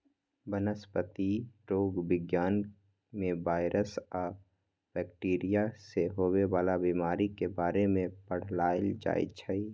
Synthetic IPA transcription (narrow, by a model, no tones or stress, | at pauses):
bənəspət̪iʈoːɡbɪɡjaːn | mẽbaːɪɾʔəsa | b̥ɛːkʈiːɾijaseɦoːweʋaːlabiːmaːɾikebaːɾemẽpəɽ̤laːɪld͡ʒa̰ːḭt͡ʃʰəi